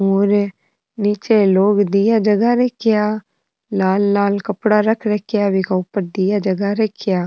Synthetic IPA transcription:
oːɾ | niːt͡ʃeloːɡd̪ijad͡ʒɐɡaɾɐkʰjaː | laːlːaːlkɐpɽaɾɐkʰɾəkʰjaʋɪkaʊpəɾd̪ɪjad͡ʒɐɡaɾɐkʰjaː

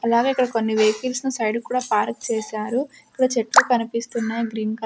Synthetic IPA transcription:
ɐlaːɡeikːɐɽɐko̞nːiʋejkilsnusɐjɖkuːɽaːpaːɾk̚t͡ʃeːsaːɾuiikːɐɽɐt͡ʃeʈlukɐnipist̪unːaːjiɡɾiːnk

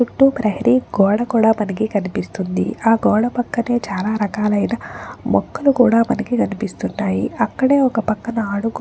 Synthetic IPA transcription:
t͡ʃuʈːupɾɐɦɐɾiɡɔːɽɐkuːɽaːmɐnɐk̬ikɐnipist̪und̪ḭaːɡɔːɽɐpɐkːɐne̞ːt͡ʃaːlaːɾɐkaːlɐjnɐmɔ̰kːɐlukuːɽaːmɐnɐkikɐnipist̪unːaːjḭɐkːɐɽe̞ːɔkɐpɐkːɐnɐaːɽuɡu

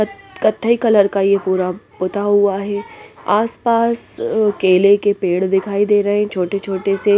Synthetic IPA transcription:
kɐt̪ʰːəikɐləɾkajepuːɾapʊt̪aɦʊaɦɛːaːspaːskeːlekepeːɽd̪ɪkʰaːid̪eːɾɐɦẽt͡ʃʰoːʈet͡ʃʰoːʈese

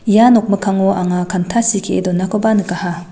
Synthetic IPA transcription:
janɔk̚mɯkʰaŋɔʔaŋakʰantʰasikʰeḛdɔnːakʰɔbanɯkaha

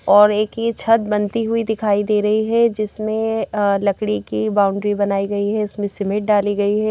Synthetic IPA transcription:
ɔːɾeːkit͡ʃʰɐt̪̚bɐnt̪iɦuid̪ɪkʰaːid̪eːɾɐɦiɦɛd͡ʒɪsmẽlɐkɽikibaːʊ̃ɳɖɾibɐnaːiɡɐiɦɛʊsmẽsɪmɪʈ̚ɖaːliɡɐiɦɛː

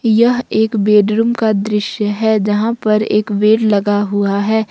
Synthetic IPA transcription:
jɐɦeːkbeːɖɾuːmkad̪ɾɪʃjəɦɛːd͡ʒɐɦãpɐɾḛːkʋeːɽlɐɡaɦuaɦɛː

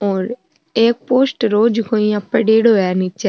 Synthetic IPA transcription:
ɔːɾ | eːk̚poːsʈɾoːd͡ʒkoːiːapːəɖeːɽoːjaːniːt͡ʃɛ

